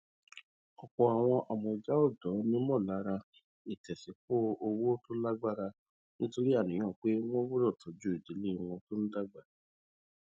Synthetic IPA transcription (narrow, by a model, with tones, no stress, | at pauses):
ɔ˨k͡pɔ˨a˨w̃ɔ̃˧ʔa˨mɔ̃˧˨d͡ʒa˦o˦˨dɔ˨˦nĩ˦mɔ̃˦˨la˨˦ɾa˧ | i˨tɛ˨si˨˦k͡po˦o˧wo˦to˦la˦ɡ͡ba˦ɾa˧ | nĩ˦to˦ɾi˦a˦˨nĩ˨˦ɔ̃˦˨k͡pe˦w̃ɔ̃˦wu˦ɾɔ˦˨tʰɔ˨˦d͡ʒu˦i˦˨di˨˦le˦i˧˨w̃ɔ̃˧to˦ñ̩˦da˦ɡ͡ba˦˨